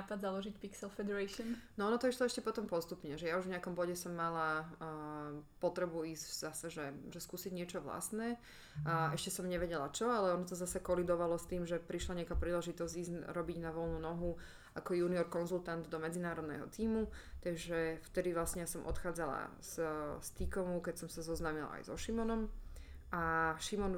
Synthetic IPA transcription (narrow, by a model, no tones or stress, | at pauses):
apad̪zalɔʒicpiksɛlfɛd̪ɛɾɛʃɔnnɔɔnɔt̪ɔiʃlɔɛʃcɛpɔt̪ɔmpɔst̪upɲɛʒɛjauʒvɲɪakɔmbɔɟɛsɔmːala | pɔt̪ɾɛbuiːzvz̥asɛʒɛʒɛskuːsiɟɲɪɛt͡ʃɔʋla̰st̪nɛː | ɛʃcɛsɔmɲɛʋɛɟɛlat͡ʃɔalɛɔnɔt̪ɔzasɛkɔlid̪ɔʋalɔst̪iːmʒɛpɾiʃlaɲɪakaːpɾiːlɛʒit̪ɔzɟiːzɾɔbiɟnaʋɔlˠnunɔɦu | ʔakɔjuːniɔɾkɔnzulˠt̪and̪d̪ɔmɛd͡zinaːɾɔd̪nɛ̰ɦɔ̰t̪iːmut̪aʒɛft̪ɛd̪iʋlasɲɛjasɔmʔɔ̰t̪xaːd͡zala̰zst̪ikɔmukɛcsɔmsazɔznaːmila̰a̰jzɔ̰ʃimɔnɔmʔaʃimɔn